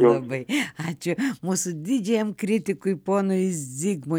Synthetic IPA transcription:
ɐbɐɪɑːt͡ʃʲʊmuːsʊd̪ʲɪd͡ʒʲɛjɛmkɾʲɪt̪ʲɪkʊɪpoːnʊɪsd͡zʲiːɡmʊ

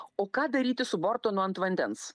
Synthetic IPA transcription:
oːkɑːd̪ɐɾʲiːt̪ʲɪsʊbɔɾt̪oːnʊɐnt̪ʋɐnʲd̪ʲɛns

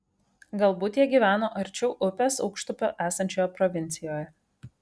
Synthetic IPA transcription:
ɡɐlˠbuːt̪jiɛɡʲiːʋʲæːnoːʔɐɾʲt͡ʃʲɛʊʔʊpʲesɒʊkʃt̪ʊpʲoːʔæːsɐnʲt͡ʃʲoːjɛpɾɔʋʲɪnʲt̪sʲɪjoːjɛ

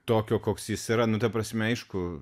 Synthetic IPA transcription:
t̪oːkʲoːkoːksjɪsiɾɐnʊt̪ɐpɾɐsʲmʲɛɐɪʃkʊ

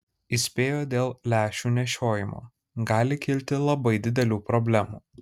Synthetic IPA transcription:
isʲpʲeːjoːd̪ʲeːlˠlʲæːʃʲuːnʲɛʃʲoːjɪmo̰ː | ɡɑːlʲɪkʲɪlʲt̪ʲɪlˠɐbɐɪd̪ʲɪd̪ʲɛlʲuːpɾɔbʲlʲæmṵː

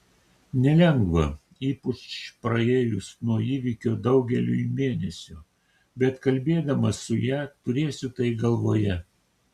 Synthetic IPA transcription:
nʲɛlʲɛŋɡʋɐ | iːpʊt͡ʃpɾɐeːjʊsnuɔiːʋʲikʲoːd̪ɐʊɡʲɛlʲʊ̰imʲeːnʲɛsʲʊ | bʲɛt̪kɐlʲbʲeːd̪ɐmɐsʊjæːt̪ʊɾʲeːsʲʊt̪ɐɪɡɐlˠʋoːjɛ

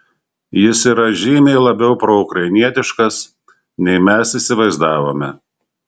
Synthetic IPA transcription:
jɪsiːɾɐʒʲiːmʲeɪlˠɐbʲɛʊpɾoʊkɾɐɪnʲiɛt̪ʲɪʃkɐs | nʲɛɪmʲɛsiːsʲɪʋɐɪzd̪ɑːʋoːmʲɛ

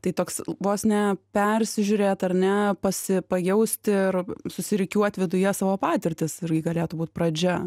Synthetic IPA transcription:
t̪ɐɪt̪oːksʋoːsnʲɛpʲɛrʲsʲɪʒʲʊɾʲeːt̪ɐɾnʲɛpɐsʲɪpɐjɛʊsʲt̪ʲɪɪrsʊsʲɪɾʲɪkʲuɔt̪ʲʋʲɪd̪ʊjɛsɑːʋoːpɑːt̪ʲɪɾʲt̪ʲɪsɪɾʲɡʲɪɡɐlʲeːt̪ʊbuːt̪̚pɾɐd͡ʒʲɛ

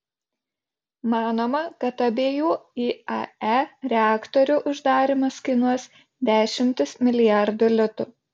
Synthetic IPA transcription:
mɑːnoːmɐkɐt̪ɐbʲeːjuːiːɐ̰æɾʲɛɑːkt̪ɔɾʲʊʔʊʒd̪ɑːɾʲɪmɐskʲɪnuɔs | d̪ʲæːʃʲɪmʲt̪ʲɪsmʲɪlʲɪjæˑɾd̪ʊlʲʊt̪ʊ

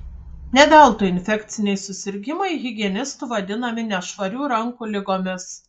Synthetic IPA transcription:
nʲɛd̪ʲɛlˠt̪ʊɪnʲfʲɛkʲt̪sʲɪnʲɛɪsʊsʲɪɾʲɡʲɪmɐɪɣʲɪɡʲiɛnʲɪst̪uʋɐd̪ʲɪnɐmʲɪnʲɛʃʋɐɾʲuːɾɐŋkulʲɪɡoːmʲɪs

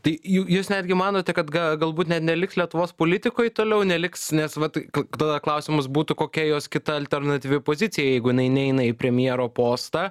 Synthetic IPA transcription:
t̪ɐɪjujuːsnʲæːd̪ʲɡʲɪmɑːnoːt̪ʲɛkɐt̪ɡɐɡɐlˠbuːt̪nʲɛt̪nʲɛlʲɪkslʲiɛt̪ʊʋoːspoːlʲɪt̪ʲɪkoːjt̪oːlʲɛʊnʲɛlʲɪksnʲɛsʋɐt̪kt̪ɐd̪ɐklˠɐʊsʲɪmʊs̬buːt̪ʊkoːkʲɛjoːskʲɪt̪ɐɐlʲt̪ʲɛrnɐt̪ʲiːʋʲɪpoːzʲɪtt͡s̪ʲɪjɛjɛɪɡʊjɪnɐɪnʲɛɛɪnɐipʲɾʲɛmʲjiɛɾoːpoːst̪ɑː

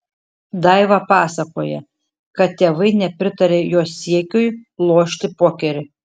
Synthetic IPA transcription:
d̪ɐɪʋɐpɑːsɐkoːjɛ | kɐt̪t̪ʲeːʋɐɪnʲɛpʲɾʲɪt̪ɐɾʲeːjoːsʲiɛkʲʊjlˠoːʃʲt̪ʲɪpoːkʲɛɾʲɪ

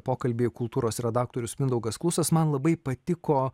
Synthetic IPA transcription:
poːkɐlʲbʲekʊlˠt̪uːɾoːsɾʲɛd̪ɑːk̚t̪oːɾʲʊsmʲɪnd̪ɐʊɡɐsklˠʊsɐsmɐnlˠɐbɐɪpɐt̪ʲɪkoː

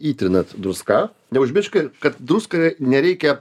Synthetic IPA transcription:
iːt̪ʲɾʲɪnɐt̪d̪ɾʊskɑː | nʲɛʊʒʲmʲɪʃkʲɐkɐt̪d̪ɾuskɐnʲɛɾʲɛɪkʲɛ

